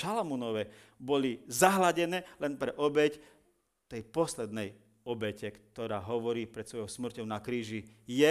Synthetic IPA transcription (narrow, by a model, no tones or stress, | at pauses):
ʃalamunɔʋɛ | bɔlizaɦlaɟɛnɛːlɛnpɾɛʔɔbɛc | t̪ɛjpɔslɛd̪nɛj | ɔbɛcɛkt̪ɔɾaːɦɔʋɔɾiːpɾɛt̪sʋɔjɔʊsml̩cɔʊnakɾiːʒijɛ